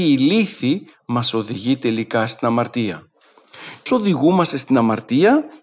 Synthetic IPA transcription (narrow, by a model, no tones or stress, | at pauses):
liθi | mɐso̞ðiʝit̪e̞likɐst̪inɐmɐɾt̪iɐ̰ | so̞ðiɣumɐst̪e̞st̪inɐmɐɾt̪iɐ